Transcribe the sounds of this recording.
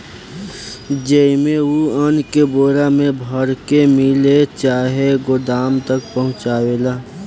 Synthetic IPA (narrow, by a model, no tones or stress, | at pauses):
d͡ʒəimeuənkeboːɾamẽbʱəɾkemɪlet͡ʃaːɦeɡod̪aːmt̪ək̚pəɦʊ̃t͡ʃaːwelaː